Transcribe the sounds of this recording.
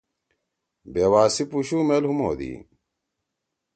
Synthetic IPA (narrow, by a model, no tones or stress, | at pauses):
beːwaːsipuɕuːmeːlhumo̰ːd̪ḭː